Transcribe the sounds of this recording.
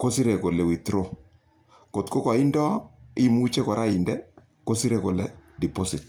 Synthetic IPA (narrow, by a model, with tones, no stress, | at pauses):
ko˦si˦ɾɛ˨ko˨lɛ˨wi˨tɾo˦ | ko˨tko˦ka˨i˦ndɔ˦i˦mu˦t͡ʃe˦kɔ˨ɾa˦i˨ndɛ˦ | ko˦si˦ɾɛ˨ko˨lɛ˨di˨po˦si˨t